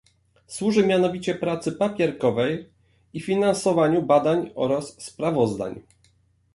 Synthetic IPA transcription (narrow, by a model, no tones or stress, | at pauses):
swuʐɘmʲjanɔvʲit͡ɕɛpɾat̪sɘpapʲjɛɾkɔvɛj | ifʲinansɔvaɲubad̪aɲɔɾasːpɾavɔzd̪a̰ɲ